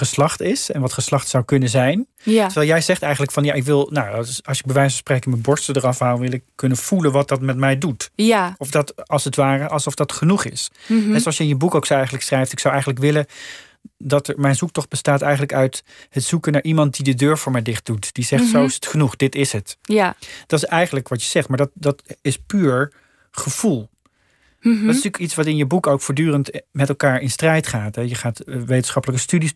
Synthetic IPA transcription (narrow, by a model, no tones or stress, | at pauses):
χəslɑχtɪsɛnʋɑtχəslɑχtsawkɵnənzɛjntəʋɛlˠjɛjzɛχtɛjχənləkfɑnja̰ʔɪkʋɪlˠnawɑlˠsɪɡ̚bəʋɛjsəsprekənməbɔɹstədərɑfɦawʋɪlˠɪkːɵnəv̥ulənʋɑt̚dɑtmɛtmɛjdutɔfdɑtɑlˠshətʋaːrəʔɑlˠsɔfdɑtχənuχɪ̰sɦɛsoɑlsjəɪnjəbukowksowɛjχənləksrɛjftɪksawɛjχənlək̬ʋɪlə | dɑtəɹmɛjnzuk̚tɔχd̚b̥əstaːtɛjχən̩ləkœɥtɦətsukənaːɹʔimɑnt̚didədøːɹvʊːɹmɛjdɪχt̚d̥utd̥izɛχtsowɪsətχənuχd̥ɪtɪsɦət | d̥ɑtɪsɛjχənləkʋɑtjəz̥ɛχtmaːɹdɑt̚dɑtɪspyːɹ | χəv̥ulˠ | ddɑtɪstyːkitsʋɑtɪnjəbukowkfʊːɹdyːrəntmɛtɛlˠkaːɹɪnstrɛjtχaːtɦɛjəχaːtʋejtənsχɑpələkəstydis